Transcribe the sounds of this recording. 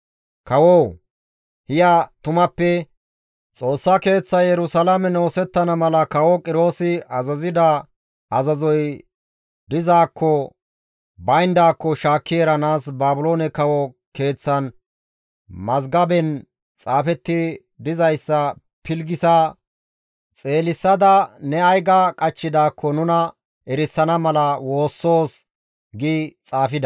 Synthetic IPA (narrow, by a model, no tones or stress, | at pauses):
kɐwɔw | hɪjɐt̪ʊmɐpːɛ | t͡sʼo̞ːsːɐke̞ːt͡sːɐjjɛɾʊsɐlɐmɛnoːsɛt̪ːɐnɐmɐlɐkɐwɔkʼɪɾo̞ːsɪɐzɐzɪd̪ɐ | ʔɐzɐzɔj | d̪ɪzaːkːɔ | bɐjnd̪aːkːɔʃaːkːɪjeːɾɐnaːsbaːbʊlo̞ːnɛkɐwɔ | ke̞ːt͡sːɐn | mɐzɡɐbɛn | t͡sʼaːfɛt̪ːɪ | d̪ɪzɐjsːɐ | pʰɪlɡɪsɐ | t͡sʼe̞ːlɪsːɐd̪ɐnɛɐjɡɐkʼɐt͡ʃːɪd̪aːkːɔnʊnɐ | ɛɾɪsːɐnɐmɐlɐwo̞ːsːo̞ːs | ɡit͡sʼaːfɪd̪ɐ